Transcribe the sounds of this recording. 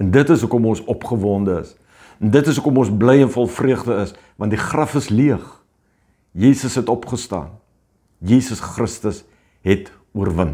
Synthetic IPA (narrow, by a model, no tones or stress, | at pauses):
ɛndətəsukɔmɔnsɔpχəvɑːndəəs | ɛndətəsukɔmɔnsbləjənfɔlˠfriəχdəəs | vɐnt̚diχrɐfəsliəχ | jiːsəsɦɛtɔpχəstɑ̰ːn | jiːsəsχrəstəs | ɦɛt | uərvən